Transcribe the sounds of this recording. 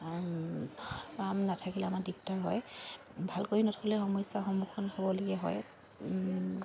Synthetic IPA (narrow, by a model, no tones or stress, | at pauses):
pamnatʰakilɛamadik̚taɹɦɔj | bʱalkoɹinɔtʰɔlɛxɔmɔjsaxɔmukʰɔnhobɔloɡɛɦɔ̰j